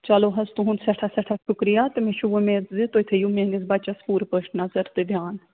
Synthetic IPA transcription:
t͡ʃɐloːɦɐzt̪uɦunsɐʈʰɐsɐʈʰɐʃʰukɾijat̪ɨmeʃuʋomeːt͡s̪zit̪oːit̪ʰejumeːŋɡizbɐt͡ʃɐspuːɾpəːʃʈnɐzɐɾt̪ɨd̪ʱjaːn

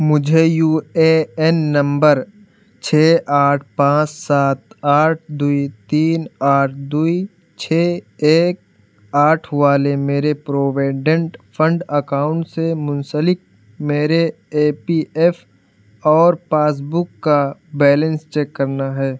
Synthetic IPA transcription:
mʊd͡ʒʱejuːeɛnːɐ̃mbəɾ | t͡ʃʰeːʔaːʈʰpãːt͡ʃsaːt̪aːʈʰd̪uit̪iːnaːʈʰd̪ui | t͡ʃʰeːeːk̚ | aːʈʰʋaːlemeːɾepɾoːʋaːɪɖə̃ɳʈfʰə̃ɳɖəkaːʊ̃ɳʈsemʊ̃nsəlɪk̚ | meːɾe | eːpiʔɛf | ɔːɾpaːs̬bʊkːabɛːlə̃nst͡ʃɛːkːɐɾnaɦɛː

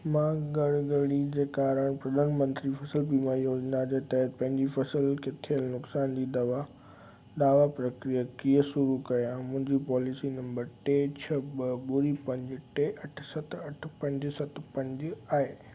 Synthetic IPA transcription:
mãːɡɐɽɡəɽid͡ʑeːkaːɾəɽ̃pɾɐd̪ʱaːnmə̃nt̪ɾifʰɐsəlpimãːijoːd͡ʑnad͡ʑet̪ɐɦət̪̚pɐ̃ɦɪ̃ɲd͡ʑifɐsəlkʰet̪ʰiəlnʊksaːnd͡ʑiːd̪ɐʋa | d̪aːʋapɾɐkɾijakiːəsʊɾukɐjoɛ̃ːmʊ̃ɦɪ̃ɲd͡ʑipɔːlɪsinɐ̃mbəɾʈet͡ɕʰɐbəɓʊɾipɐ̃ɲd͡ʑʈeʔɐʈʰsɐt̪ɐʈʰpɐ̃ɲd͡ʑsɐt̪ʰpɐ̃ɲd͡ʑaːɦeː

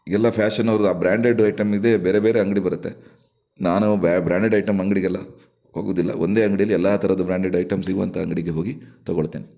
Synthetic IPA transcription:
ɡɛlːɐpʰaːʂɐnːɐʋɐɾud̪aːbɾaːɳɖeɖɐjʈɐmid̪e̞beːɾe̞beːɾeɐŋɡɐɽibɐɾut̪ːe̞̰ | naːnubbɾaːɳɖeɖɐjʈɐmɐŋɡɐɽiɡɛlːɐ | ɦho̞ːɡoːd̪ilːɐ̰o̰nd̪e̞ːɐŋɡɐɽijɐlːiɛlːaːt̪ʰɐɾɐd̪ubɾaːɳɖeɖɐjʈɐmsiɡuʋɐnt̪ʰɐɐŋɡɐɽiɡeɦoːɡit̪ɐɡoɭt̪ːiːni

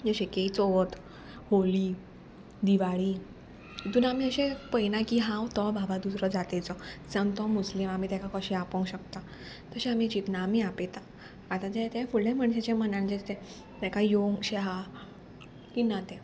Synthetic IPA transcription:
jəɕekeit͡soʋt̪ | holiː | d̪iʋaɭiː | it̪uːnamiəɕẽpəjnakiɦãwt̪ɔbʱabad̪usɾəd͡zat̪at͡sɔd͡zənt̪ɔmuslimam̤it̪jakakəɕiapə̃ŋkɕəkt̪a | t̪əɕẽamit͡ɕit̪naːmiapet̪aː | t̪at̪et̪ɛfuɭljẽməɳɕet͡ɕam̤ənãɳd͡ʑet̪ɛ̃ | t̪ɛkajoŋɡɕeɦa | kinat̪ɛ̃

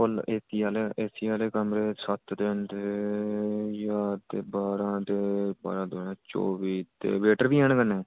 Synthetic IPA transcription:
ʊleːsiːaːleːʔeːsiːaːleːkəmɾeːsət̪ʰd̪end̪e | jaːt̪eːbaːɾãːt̪eːba̰ːɾãːd̪onãːt͡ʃo̰ːbiːt̪ḛːʋeːʈəɾʋiːɛːɳkənẽː

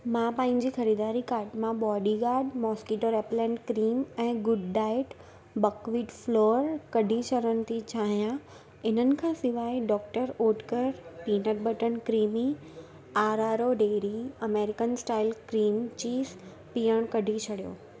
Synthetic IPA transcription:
mãpãːɦɪ̃ɲ̆d͡ʑiːxɐɾiːd̪aːɾikaːɾʈmãɓɔːɖiɡaːɾɖmɔːskiːʈoɾɛːplɛ̃ːɳɖkɾiːmɛ̃ːɡʊɖɖaːɪʈ | bəkʋiːʈfloːɾkɐɖʱit͡ɕʰəɽəñɪ̆t̪ʰit͡ɕʰaːɦijã | ɪn̤ənɪ̆kʰãːsɪʋaːiɖɔːkʈəɾoːʈkəɾpiːnəɾbɐʈənkɾiːmi | aːɾaːɾoɖeːɾiɐmeːɾɪkənsʈaːɪlkɾiːmt͡ɕiːs | pijəɽ̃kɐɖʱit͡ɕʰɐɽijo̰ː

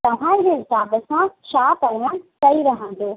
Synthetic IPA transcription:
t̪ɐʋ̤ãid͡ʑeːsaːbəsãʃaːp̪ɐɾʋəɽ̃kɐiɾɐɦə̃n̆d̪oː

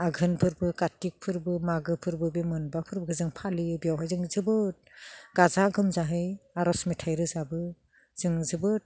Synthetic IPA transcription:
aɡʱɯnpʰɯɾbɯkatːik̚pʰɯɾbɯmaɡɯpʰɯɾbɯbimɯnbapʰɯɾbɯɡʰɯzɯŋpʰalibijawɦajzɯŋzɯbɯt̚ɡ̥azaɡɯmzaɦɯjaɾɔsmitʰajɾɯzabɯ | z̥ɯŋzɯbɯt̚

